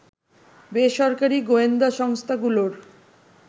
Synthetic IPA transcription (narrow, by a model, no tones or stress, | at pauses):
beʃɔɾkaɾiɡoend̪aʃɔŋst̪ʰaɡuloɾ